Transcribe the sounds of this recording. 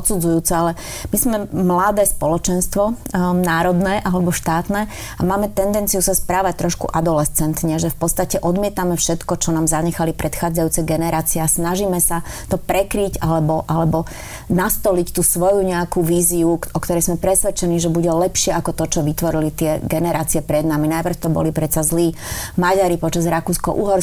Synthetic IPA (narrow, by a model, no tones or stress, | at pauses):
ɔt̪t͡sud͡zujuːt͡sɛalɛ | mizmɛmlad̪ɛːspɔlɔt͡ʃɛnst̪ʋɔnaːɾɔd̪nɛːʔalɛbɔʃt̪aːt̪nɛː | amaːmɛt̪ɛnd̪ɛnt͡sijusaspɾaːʋac̚t̪ɾɔʃkṵʔad̪ɔlɛst͡sɛnt̪ɲɛʒɛfpɔtt͡sst̪acɛʔɔd̪mɪɛt̪amɛfʃɛt̪kɔt͡ʃɔnaːmzaɲɛxalipɾʔɛt̪xaːd͡zajuːt͡sɛɡɛnɛɾaːt͡siɛasnaʒiːmɛsat̪ɔpɾɛkɾiɟalɛbɔʔalɛbɔ | nast̪ɔlict̪usʋɔjuɲɛakuʋiːziuɔkt̪ɔɾɛjzmɛpɾɛsʋɛt͡ʃɛniːʒɛbuɟɛlɛpʃɪɛakɔt̪ɔt͡ʃɔʋit̪ʋɔɾilit̪ɪɛɡɛnɛɾaːt͡siɛpɾɛd̪naminajpr̩ft̪ɔbɔ̰lipɾɛt̪t͡sazliː | maɟaɾipɔt͡ʃazɾakuːskɔʔuɦɔɾ